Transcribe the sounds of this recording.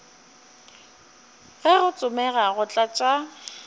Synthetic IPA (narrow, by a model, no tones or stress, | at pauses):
ɣɪɣʊt͡sʼʊmɛɣaɣʊt͡ɬʼat͡ʃʼa